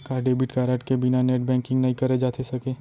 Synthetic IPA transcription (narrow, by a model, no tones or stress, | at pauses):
kaːɖeːbɪʈkaːɾeːʈkebɪnaneːʈ̚bɛ̃ːŋkɪ̃ŋɡnɐɦĩkɐɾed͡ʒaːt̪ʰesɐkeː